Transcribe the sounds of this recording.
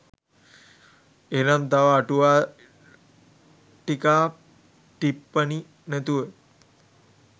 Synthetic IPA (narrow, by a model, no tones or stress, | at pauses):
enamt̪aʋaːʈuʋa | ʈikaː | t̪ipːəni | næt̪uʋe